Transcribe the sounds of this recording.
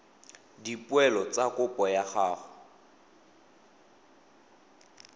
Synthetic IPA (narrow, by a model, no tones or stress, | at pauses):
dipwɛlɔt͡sakʼʊpʼɔjaχaːχʊ